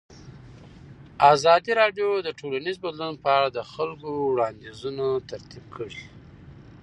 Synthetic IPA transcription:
azɑd̪iɾɑɖjod̪əʈʰolanizbad̪lunpəaɽad̪əxalɡowɽɑnd̪izunat̪aɾt̪ib̚kʰəɽi

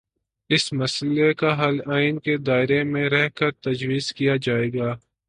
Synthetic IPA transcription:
ɪsmɐslekaɦɐlaːɪnked̪aːɪɾemẽɾɛɦkɐɾt̪ɐd͡ʒwiːzkijad͡ʒaːeːɡaː

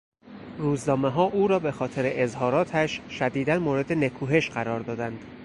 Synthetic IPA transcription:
ruːznɒːmeɦɒːʔuːɾɒːbe̞xɒːt̪ʰe̞ɾeʔezhɒːɾɒːt̪ʰæʃʃæd̪iːd̪ænmoːɾe̞d̪e̞ne̞kʰuːɦe̞ʃɢæɾɒːɾd̪ɒːd̪ænd̪̥

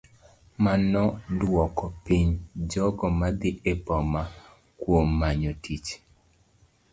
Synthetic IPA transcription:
manɔdwɔkɔpiɲd͡ʒɔkɔmad̪ɪʔepɔma | kwomːaɲotit͡ʃ

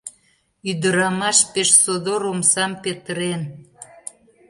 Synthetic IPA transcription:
yd̪əɾɑmɑʃpeʃsod̪oɾomsɑmpet̪əɾen

